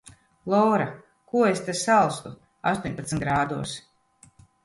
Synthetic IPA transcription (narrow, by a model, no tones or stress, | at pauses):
lˠɔːɾa | kuɔest̪esalˠst̪u | a̰st̪uɔɲʲpat̪snt̪̚ɡɾaːd̪uɔs